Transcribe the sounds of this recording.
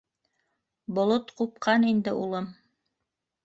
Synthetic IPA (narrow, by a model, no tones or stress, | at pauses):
bŏlˠot̪qup̚qɑnind̪ɘʔulˠɤm